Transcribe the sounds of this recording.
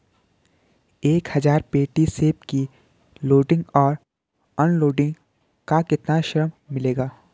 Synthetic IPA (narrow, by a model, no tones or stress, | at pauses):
eːkhɐzaːɾpeːʈiseːpki | loːɖɪ̃ŋɡɔːɾ | ɔːnloːɖɪ̃ŋɡ | kakɪt̪naʃɾəmːɪleːɡaː